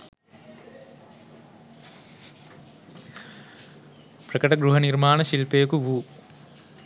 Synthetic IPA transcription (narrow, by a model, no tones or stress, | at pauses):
pɾɐkɐʈɐɡɾuɦɐniɾmaːɳɐʃilpeːkuʋu